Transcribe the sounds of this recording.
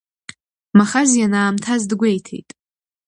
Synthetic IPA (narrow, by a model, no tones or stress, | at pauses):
maχazjanaːmtʰazdɡʷejtʰḛjtʼ